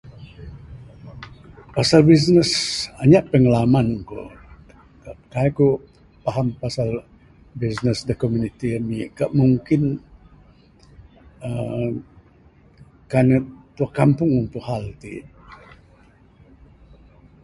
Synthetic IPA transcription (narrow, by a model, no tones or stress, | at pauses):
pasalbis̬nəsaɲaʔpəŋəlamanko̰ | kaʔəkajku | paɦampasal | bisnəsdəkomunit̪iəmikaʔmuŋkɪn | ə | kanət̪uakampʊŋunt̪uʔhɦalt̪ḭ